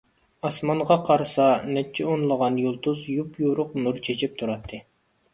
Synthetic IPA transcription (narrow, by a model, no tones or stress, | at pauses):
ɑsmɑɴʁɑqʰɑɾsɑnɛt͡ʃʰːɛonlˠəʁɑnjolˠt̪uzjupjuɾʊqnuɾt͡ʃʰet͡ʃʰip̚t̪ʰuɾɑt̪ʰːɨ